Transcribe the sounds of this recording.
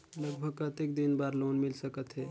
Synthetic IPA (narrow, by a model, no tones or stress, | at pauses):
ləɡbʱəɡkət̪ekd̪inbaːɾloːnmɪlsəkət̪ɦɛː